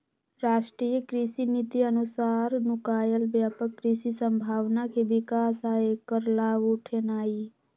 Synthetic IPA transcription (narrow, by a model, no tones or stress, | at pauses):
ɾaːʃʈɾiːjəkɾisinit̪iənʊsaːɾnʊkaːjəlʋjaːpəkːɾisisə̃mbʱaːʋnakʰeʋɪkaːsaːekəɾlaːʋuʈʰenaːi